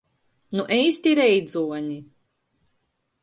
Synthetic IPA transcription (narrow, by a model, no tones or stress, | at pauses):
nuʔɛjst̪iɾɛjd̪zuɔɲi